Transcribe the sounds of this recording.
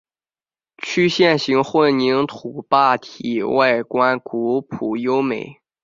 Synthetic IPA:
t͡ɕʰy˥ɕjɛ˥˩nɕi˧˥ŋxwə˥˩nni˧˥ŋt̪ʰu˨˩pa˥˩t̪ʰi˨˩˦wa˥˩ɪkwa˥nku˧˥pʰu˨˩jo˥ʊme˨˩ɪ

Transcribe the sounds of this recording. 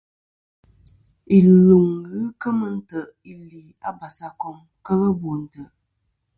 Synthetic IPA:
i˨lu˨ŋɣɨ˦kə˦mə˨n̩˦tə˨ʔ | i˦li˨a˨ba˨sa˨kɔ˦ŋ | kə˦ɣə˦bo˨n̩˨tə˨ʔ

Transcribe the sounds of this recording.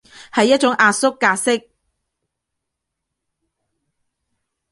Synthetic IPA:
hɐ˨jːɐ˥t̚t͡ʃʊ˨˥ŋaː˧t̚sʊ˥kːaː˧sɪ˥k̚

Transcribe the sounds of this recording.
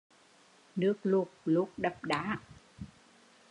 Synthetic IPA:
nɨ˦˥ək̚lu˨˩ək̚lu˨˦˥k̚ɗə˨˩p̚ɗaː˨˦

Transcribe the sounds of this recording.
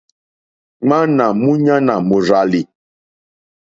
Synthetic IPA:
ŋ͡ma˦na˨mu˦ɲa˦na˨mu˨ɾa˨li˨

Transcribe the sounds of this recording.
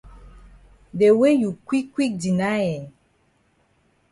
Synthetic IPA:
de˨we˦ju˨kwi˦kwi˦k̚di˨na˦jɛ˨

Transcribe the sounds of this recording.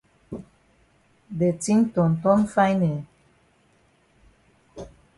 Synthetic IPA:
de˨ti˦ŋt̪ɔ˨nt̪ɔ˦nfa˦jne˨

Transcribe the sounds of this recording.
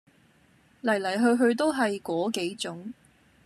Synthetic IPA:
lɐ˨˩jlɐ˨˩jɦɵ˧ɥɦɵ˧ɥt̪o˥wɦɐ˨jkɔː˨˥ke˨˥jt͡sʊ˨˥ŋ

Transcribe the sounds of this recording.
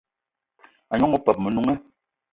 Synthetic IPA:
a˨ɲɔ˦ŋɔ˦˨pɛ˨p̚mə˨nu˨ŋɛ˦

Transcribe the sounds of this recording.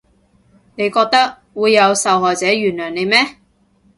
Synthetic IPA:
ne˨˧jkɔː˧k̚t̪ɐ˥k̚ | wuː˨˧jːɐ˨˧wsɐ˨wɦɔː˨jt͡sɛː˨˥ɥyː˨˩nlœː˨˩ŋne˨˧jmɛː˥

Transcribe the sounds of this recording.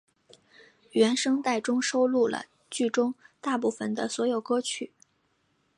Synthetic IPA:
ɥɛ˧˥nʂɤ˥ŋt̪a˥˩ɪʈ͡ʂʊ˥ŋʂo˥ʊlu˥˩lə̰˩ | t͡ɕy˥˩ʈ͡ʂʊ˥ŋt̪a˥˧pu˥˩fə˨˩nd̪ə˦swɔ˧˥jo˨˩ʊkɤ˥t͡ɕʰy˨˩˦

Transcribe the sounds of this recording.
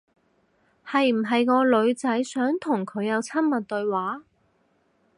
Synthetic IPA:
hɐ˨jm̩˨˩ɦɐ˨jŋɔː˨˧lɵ˨˧ɥt͡sɐ˨˥jsœː˨˥ŋt̪ʰʊ˨˩ŋkʰɵ˨˧ɥjɐ˨˧wt͡sʰɐ˥mmɐ˨t̚t̪ɵ˧ɥwaː˨˥

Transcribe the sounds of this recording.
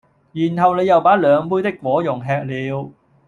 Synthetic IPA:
jiː˨˩nɦɐ˨wne˨˧jɐ˨wpaː˨˥lœː˨˧ŋpuː˥jt̪̬ɪ˥kːwɔː˨˥jʊ˨˩ŋɦɛː˧k̚liː˨˧w

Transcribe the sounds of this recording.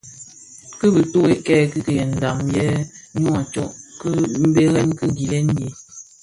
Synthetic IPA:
kɨ˦bə˨to˦e˨kɛ˦˨kə˦kə˨jɛ˨n̩˨da˨mjɛ˦ɲɔ˦a˨t͡ʃɔ̰˦˨ʔkə˦m̩˦be˦ɣɛ˦nkɨ˦ɡi˨lɛ˦ŋ̩˦ɡe˨

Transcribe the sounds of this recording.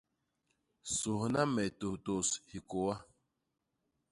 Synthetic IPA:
so˨hna˦mɛ˨to˨to˨shi˨ko˨wa˦

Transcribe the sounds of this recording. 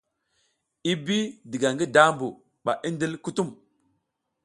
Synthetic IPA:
i˦bi˦di˨ɡa˨ŋɡi˦da˦mbu˨ | ɓa̰˨ʔi˦ndi˦lku˦tu˦m

